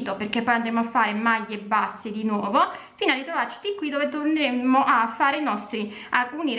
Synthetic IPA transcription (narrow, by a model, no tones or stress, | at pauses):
t̪operkepːɔjand̪ɾeːmoafːaːɾemaʎːebːasːed̪inwɔːvo | fiːnalit̪ɾovart͡ʃi̥t̪ikːwid̪oːvet̪orneɾemːoʔafːaːɾeinɔst̪ɾi | alkuniɾ